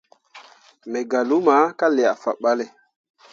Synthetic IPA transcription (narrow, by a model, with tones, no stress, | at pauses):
me˨ɡa˨lu˦ma˨˦ka˦le˨a˨fa̰˨ɓa˦le˨